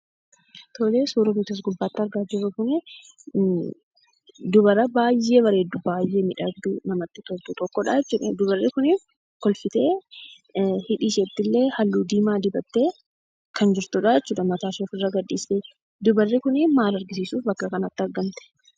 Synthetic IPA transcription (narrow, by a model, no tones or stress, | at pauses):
t̪ʰɔleːsuːɾɐmɪt̪ɐs̬ɡʊbːaːt̪ːɪɐɾɡaːd͡ʒɪrːɐkʊnɪ | d̪ʊbɐɾɐbaːjːe̞ːbɐɾeːd̪ubaːjːe̞ːmɪᶑɐɾd̪uːnɐmɐt̪ːɪt̪ɔt̪uːt̪ɔkːɔᶑaːjɛt͡ʃːuːᶑɐd̪ʊbɐrːɪkʊniː | kɔlfɪt̪e̞ː | hɪᶑiːʃɛt̪ːɪlːe̞ːhɐlːuːd̪iːmaːd̪ɪbɐt̪ːeː | kɐnd͡ʒɪɾt̪uːᶑad͡ʒɛt͡ʃːuːᶑɐmɐt̪aːʃeːfɪrːɐɡɐdːiːseː | d̪ʊbɐrːɪkʊnɪnmaːɾɐɾɡɪsiːsuːfbɐkːɐkɐnɐt̪ːɪɐɾɡɐmt̪ɛ̥